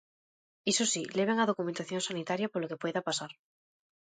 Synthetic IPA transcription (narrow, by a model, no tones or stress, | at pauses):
isosileβeŋaðo̞kumẽnt̪aθjo̞ŋsanit̪aɾjapolokepwe̞ðapasaɾ